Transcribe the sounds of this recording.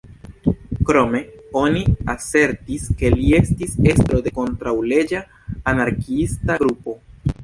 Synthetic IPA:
kɾo̞me̞o̞niase̞ɾtiske̞lie̞stise̞stɾo̞de̞ko̞ntɾawle̞d͡ʒaː | naɾkiistaɡɾupo̞

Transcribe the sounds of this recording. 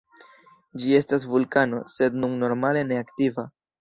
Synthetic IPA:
d͡ʒie̞stasvulkano̞̰se̞dnuŋːo̞ɾmale̞ne̞aktiva

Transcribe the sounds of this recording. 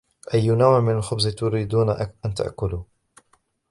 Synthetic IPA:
ʔajːnawʕmɪnalxʊbzt̪ʊɾiːd̪uːnaʔant̪a̰ʔkʊluː

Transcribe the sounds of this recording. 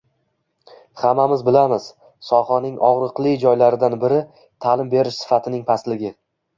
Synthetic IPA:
χamːamɪzbɪlamɪz̥ | sɒχɒnɪŋɒʁɾɨqlˠɪd͡ʒɒjlaɾɪd̪anbɪɾɪ | t̪ʰalɪmbe̞ɾɪʃsɪ̥fat̪ʰɪnɪŋpʰaslɪɡʲɪ

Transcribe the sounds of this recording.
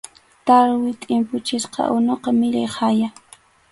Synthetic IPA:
t̪aɾwɪt̪ʼɪmpʊt͡ʃɪsqɑ̰ʊnoqɑmɪʎajhaja

